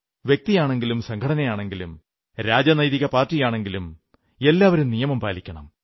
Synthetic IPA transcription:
ʋjek̚t̪ijaːɳe̞ŋɡilumsɐŋkʰɐɽɐnɐjaːɳe̞ŋɡilum | ɾaːd͡ʑɐnɐjðiɣɐpaːrtːijaːɳe̞ŋɡilum | e̞lːaːʋɐɾumnijɐmɐmpaːlikʲːɐɳɐ̰m

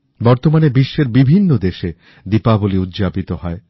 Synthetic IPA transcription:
bɔɾt̪omanebiʃːeɾbibʱinːod̪eʃe | d̪ipaboliud̪d͡ʑapit̪oɦɔe

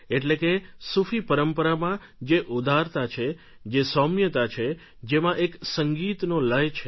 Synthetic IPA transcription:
eʈlekesufʰipəɾəmpəɾamã | d͡ʒeʔud̪ʱaɾt̪at͡ʃʰe | d͡ʒesɔmjət̪at͡ʃʰe | d͡ʒemãʔeksəŋɡit̪noləjt͡ʃʰe

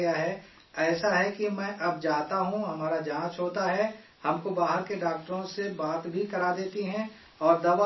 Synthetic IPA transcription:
ɐjaɦɛː | ɛːsaɦɛkimɛ̃ːʔɐb̚d͡ʒaːt̪aɦũɦɐmaːɾad͡ʒɦaãt͡ʃoːt̪aɦɛ | hɐmkobaːɦəɾkeɖaːk̚ʈəɾõsebaːt̪bʱikɐɾad̪eːt̪iɦɛ̃ | ɔːɾd̪ɐba

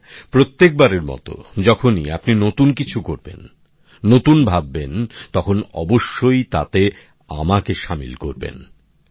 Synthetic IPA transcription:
pɾot̪ːek̚baɾeɾmɔ̰t̪o̰d͡ʑɔkʰoniapninot̪unkit͡ɕʰukoɾbḛnː | ot̪unbʱabːent̪ɔkʰonɔ̰boʃːojt̪a̰t̪e | a̰makeʃamḭlkoɾbḛn

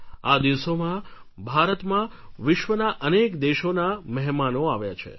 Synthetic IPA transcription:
ad̪iʋsomã | bʱaɾət̪mã | ʋɪʃʋənaʔənekd̪eʃonaməɦmanoaʋjat͡ʃʰḛ

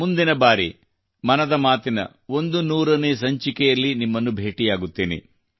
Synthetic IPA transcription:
mund̪inɐbaːɾi | mɐnɐd̪ɐmaːt̪inɐ̰ | o̞nd̪unuːɾɐneːs̬ɐɲt͡ʃikɛjɐlːinimːɐnːubʱeːʈijaːɡut̪ːiːnḭ

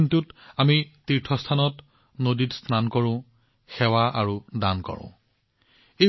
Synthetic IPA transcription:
ntutamitiɹtʰɔstʰanɔt | noditsnankɔɹʊ̃ | xɛwaʔaɹudankɔ̰ɹʊ̰̃ | e

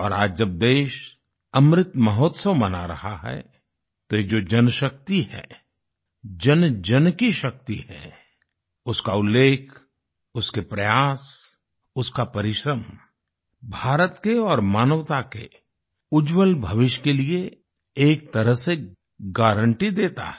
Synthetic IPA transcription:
ɔːɾaːd͡ʒd͡ʒɐb̚d̪eːʃ | ɐmɾɪt̪mɐɦoːt̪səʋmɐna̰ɾɐ̰haɦɛ̰ | t̪ojed͡ʒoːd͡ʒɐnʃək̚t̪iɦɛ̰ː | d͡ʒənd͡ʒənkiʃɐk̚t̪iɦɛ̰ː | ʊskaʊlːeːkʰ | ʊskepɾɐjaːs | ʊskapɐɾɪʃɾəm | bʱaːɾət̪keɔːɾmaːnəʋt̪akḛ | ʊd͡ʒwəlbʱɐʋɪʃkelie | eːk̚t̪ɐɾəɦse | ɡaːɾə̃ɳʈid̪eːt̪a̰ɦɛ

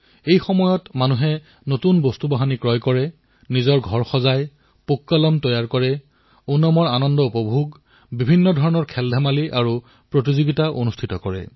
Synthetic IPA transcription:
ejxɔmɔjɔtmanuɦɛ | notunbostubaɦanikɹɔjkɔɹɛ | nizɔɹɡʱɔɹxɔzaj | pukːalɔmtɔjaɹkɔɹɛ | unːɔmɔɹanɔndɔupɔbʱuɡ | bibʱinːɔdʱɔɹɔnɔɹkʰɛldʱamaliʔaɹu | pɹotizuɡitaʔonustʰitɔkɔɹɛ̰

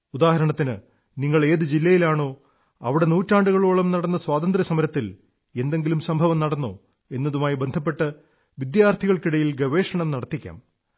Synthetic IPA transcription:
ud̪aːhɐɾɐɳɐt̪ːinɨ | niŋːɐɭe̞ːðɨd͡ʑilːɐjilaːɳo̞ː | ɐ̰ʋiɽe̞nuːtːaːɳɖuɣɐɭoːɭɐmnɐɽɐnːɐswaːt̪ɐnd̪ɾɐsɐmɐɾɐt̪ːil | e̞nd̪e̞ŋɡilumsɐmbʱɐʋɐmnɐɽɐnːo̰ː | e̞nːɐðumaːjibe̞nd̪ʱɐp̬ːe̞ʈːɐ | ʋid̪jaːrt̪ʰiɣɐɭkiɽɐjilɡɐʋe̞ːʂɐɳɐmnɐɽɐt̪ːikʲːa̰ːm

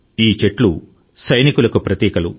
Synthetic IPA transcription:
iːt͡ʃe̞ʈlu | sɐjnikulɐkupɾɐt̪iːkɐlu

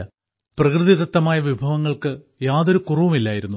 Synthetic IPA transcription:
ɐ | prɐkrɨðid̪ɐt̪ːɐmaːjɐʋibʱɐʋɐŋːɐɭkɨ | jaːðoɾukurɐʋɐmilːaːjiɾunːu

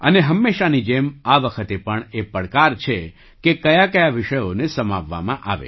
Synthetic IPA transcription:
ə̰neɦəmːeʃanid͡ʒemaʋəkʰət̪epəɳepəɽkaɾt͡ʃʰe | kekəjakəjaʋɪʃəjonesəmaʋːa̰mãʔa̰ʋḛ

